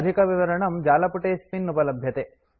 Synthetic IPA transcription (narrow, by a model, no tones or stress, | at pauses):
d̪ʱikɐʋiʋɐɾɐɳɐmd͡ʒaːlɐpuʈeːspinːupɐlɐbʱjɐt̪e